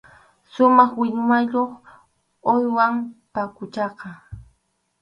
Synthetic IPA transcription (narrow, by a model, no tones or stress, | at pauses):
sʊmɑχwɪʎʊmaʎoχ | ojwampakʊt͡ʃɑqɑ